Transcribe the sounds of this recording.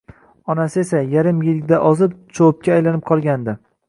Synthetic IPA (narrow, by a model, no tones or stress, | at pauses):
ɒnasɪesajaɾɪmjɪlʲd̪aʔɒzɪp̚t͡ʃʰowp̚kʲʰaːjlanɪp̚qʰɒlˠɡʲand̪ɪ